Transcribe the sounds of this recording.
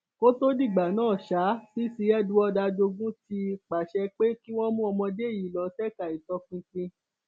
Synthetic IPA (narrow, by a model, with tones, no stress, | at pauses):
ko˦to˦di˦˨ɡ͡ba˨nãː˦˨ʃa˨˦si˦si˧ɛ˦dũ˨˦ɔ˧da˧d͡ʒo˧ɡũ˦ti˧k͡pa˨ʃɛ˧k͡pe˦ki˦w̃ɔ̃˦mũ˦ɔ˧mɔ̃˧de˦˨ji˨˦lɔ˨˦sɛ˦˨ka˨i˨tɔ˧fĩ˧tĩ˧